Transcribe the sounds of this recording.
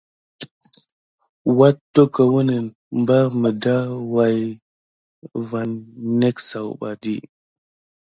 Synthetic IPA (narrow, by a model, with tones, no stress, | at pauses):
wa˦tːo˦kə˨wə˦nə˨n | mba˦ɾmə˨da˦wa˨j | va˨nːe˦ksa˨wɓa̰˨di˦